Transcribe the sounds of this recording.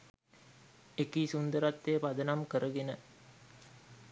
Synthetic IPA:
ekiːsund̪əɾat̪ːeːpad̪ənamkəɾəɡenə

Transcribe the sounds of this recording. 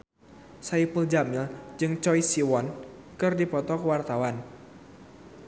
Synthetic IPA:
saipuld͡ʒamild͡ʒɨŋt͡ʃɔisiwɔnkɨrdipɔt̪ɔkəwart̪awan

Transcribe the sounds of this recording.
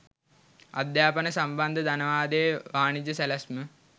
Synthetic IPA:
a̰d̪jaːpənəsamband̪ʱəd̪anəʋaːd̪ejʋaːnid͡ʒəsælasmə

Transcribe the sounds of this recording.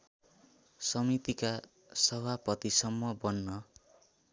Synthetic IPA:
sʌmit̪ika | sʌbʱapʌt̪isʌmːʌbʌnːʌ

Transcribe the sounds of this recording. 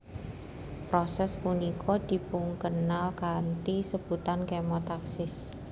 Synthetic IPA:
pɾɔsɛspunikʰɔd̪̥i̤puŋkənalkant̪isəb̥ut̪ankemɔt̪aksɪs

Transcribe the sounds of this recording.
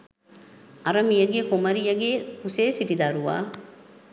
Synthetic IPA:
ʔɐɾɐmijɐɡekomɐɾijɐɡeːkuseːsiʈid̪ɐɾuʋa̰ː

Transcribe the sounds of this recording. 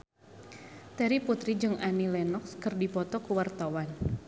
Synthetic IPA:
t̪ɛɾiput̪ɾid͡ʒɨŋanilɛnɔkskərdipɔt̪ɔkuwart̪awan

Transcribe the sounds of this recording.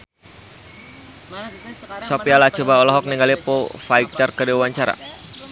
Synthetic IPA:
sɔpialat͡ʃɔbaɔlɔɦɔk̚niŋɡalipofaik̚t̪ərkədewwaɲt͡ʃaɾa̰

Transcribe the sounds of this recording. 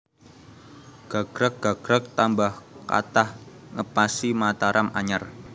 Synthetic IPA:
ɡ̥a̤ɡ̥ɾak̚ɡ̥aɡ̥ɾak̚t̪ambahka̰t̪ahŋəpasimat̪aɾʔamʔaɲar

